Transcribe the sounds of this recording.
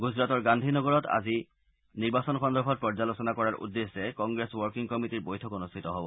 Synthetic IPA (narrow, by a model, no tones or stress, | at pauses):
ɡuzɹatɔɹɡandʱinɔɡɔɹɔta̰zi | niɹbasɔnxɔndɔɹbʰʱɔt̚pɹɔɹzalosɔnakɔɹaɹʔṵdːesɛkɔŋɡɹeswɔɹkiŋkɔmitiɹbojtʰɔkonustʰitɔɦɔbɔ